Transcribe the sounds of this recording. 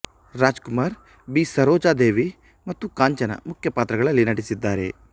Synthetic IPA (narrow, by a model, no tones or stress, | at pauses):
ɾaːd͡ʒkumaːɾ | biːsɐɾoːd͡ʒaːd̪eːʋi | mɐt̪ːukaːɲt͡ʃɐnɐ̰mukʰjɐpaːt̪ɾɐɡɐɭɐlːinɐʈisid̪ːaːɾḛ